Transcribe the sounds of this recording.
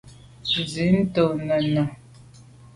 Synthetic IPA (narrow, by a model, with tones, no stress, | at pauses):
t͡ʃzi˨˦n̩˦to˨nə˨nə˨